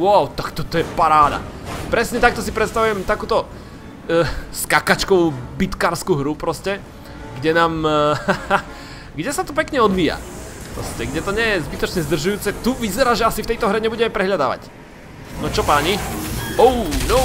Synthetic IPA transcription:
wawt̪akt̪ɔt̪ɔjɛpaɾaːd̪a̰ | pɾɛsɲɛt̪ak̚t̪ɔs̬ipɾɛt̪st̪aʋujɛmt̪akuːt̪ɔ | skakat͡ʃkɔʋuːbit̪kaːɾskuɦɾupɾɔscɛ | ɡɟɛnaːm | ɡɟɛsat̪ɔp̬ɛkɲɛɔd̪ʋiːja̰pɾɔ̰scɛɡɟɛt̪ɔɲɛjɛzbit̪ɔt͡ʃɲɛzd̪r̩ʒujuːt͡sɛt̪uʋizɛɾaːʒɛasift̪ɛjt̪ɔɦɾɛɲɛbuɟɛmɛpɾɛɦʎad̪a̰ːʋa̰c | nɔt͡ʃɔpaɲiɔʊno

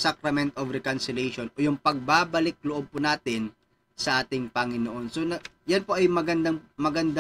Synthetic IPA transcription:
sakɾɐmɛnt̪ʔovɾɛkɐnsɪlɛjʃonʔojʊŋpɐɡ̚baːbɐlɪk̚loʔob̚pʊnaːt̪ɪn | sɐʔaːt̪ɪŋpɐŋɪnoʔo̞nsonɐ | jɐnpo̞ʔɐjmɐɡɐnd̪ɐŋmɐɡɐnd̪a

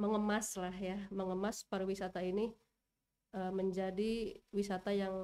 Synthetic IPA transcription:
məŋəmaslahjaməŋəmaspaɾawisat̪aini | ʔəməɲd͡ʒadiwisat̪ajaŋ

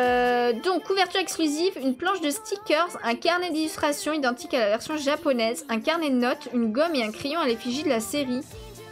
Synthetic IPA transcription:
d̪ɔ̃kuvɛʁt̪yʁɛksklyzivynplɑ̃ʃd̪əst̪ʰikʲœʁzɛ̃kaʁned̪ilyst̪χasjɔ̃id̪ɑ̃t̪ikalavɛʁsjɔ̃ʒapɔnɛzɛ̃kaʁnenɔt̪ynɡɔmeɛ̃kχejɔ̃alefiʒid̪əlaseʁi

